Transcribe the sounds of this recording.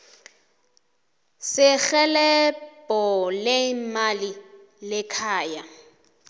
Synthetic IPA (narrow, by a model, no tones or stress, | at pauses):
sɪɣɛlɛpʼɔlemali | lɪkʰaːja